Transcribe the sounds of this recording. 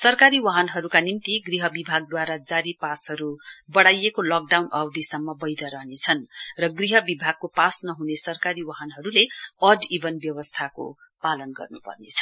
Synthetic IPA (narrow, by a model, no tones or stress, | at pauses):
sʌrkaɾiwʌɦʌnɦʌɾukanimt̪iɡriɦʌbibʱaɡ̚d̪waɾad͡zaɾipasɦʌɾubʌɽajekolʌk̚ɖawnʌwd̪ʱisʌmːʌbʌjd̪ʌɾʌɦnet͡sʰʌnrʌɡriɦʌbibʱaɡ̚kopasnʌɦunesʌrkaɾiwaɦʌnɦʌɾuleʌɖibʱʌnbjʌwʌst̪ʰako̰ | palʌnɡʌ̰rnupʌ̰rnḛt͡sʰʌn